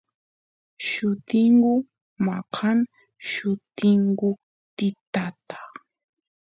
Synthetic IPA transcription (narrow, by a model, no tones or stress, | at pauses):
ʃʊt̪ɪŋɢʊ | maqʰan | ʃʊt̪ɪŋɡʊ | t̪ɪt̪at̪ḁ